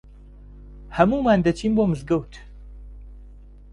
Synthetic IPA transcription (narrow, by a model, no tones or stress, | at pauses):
hɐmumaːnd̪ɐt͡ʃʰiːmbomɨzɡɐwtʰ